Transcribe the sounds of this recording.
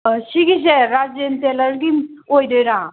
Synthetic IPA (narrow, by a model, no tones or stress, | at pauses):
siɡis̬eɾad͡ʒenteləɾɡim | ojdɯjɾa